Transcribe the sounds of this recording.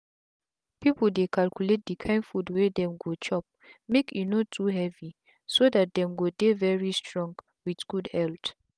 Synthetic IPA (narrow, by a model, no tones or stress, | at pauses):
pipəl̩dekʰalkjulet̚dəkʰãɪ̃nfudwɛdɛ̃mɡot͡ʃɔp̚ | mekjunotʰuɦɛvi | sodat̚dɛ̃mɡodevɛɹistɹɔ̃ŋɡ | widɡ̥udhɛlt